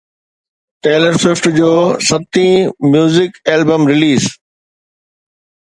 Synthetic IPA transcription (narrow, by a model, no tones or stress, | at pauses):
ʈeːləɾsɪfʈd͡ʑoːsɐt̪ĩmjuːzɪkeːlbəmɾɪliːz